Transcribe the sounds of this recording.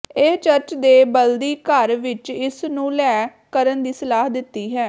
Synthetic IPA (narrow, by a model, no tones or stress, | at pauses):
et͡ʃəɾt͡ʃd̪eːbəld̪iːkəɾʋɪt͡ʃɪsnũːlɛː | kəɾənd̪iːsəlaːɦd̪ɪt̪ːiːɦɛː